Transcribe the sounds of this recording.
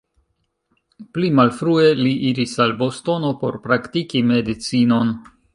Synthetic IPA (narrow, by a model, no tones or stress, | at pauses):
plimalfɾue̞liʔiɾisalbo̞sto̞no̞po̞̰ɾpɾaktikime̞dit͡sino̞n